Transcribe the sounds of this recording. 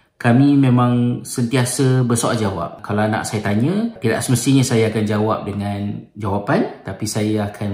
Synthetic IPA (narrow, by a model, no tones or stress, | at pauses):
kamĩmẽmãŋsənt̪iasəbəsoʔa̰d͡ʒawa̰p̚kalaana̰ʔsajat̪aɲə̃t̪ida̰ʔsəməst̪iɲasajaːkand͡ʒawa̰p̚dəŋãnd͡ʒawapant̪apisajaakʰan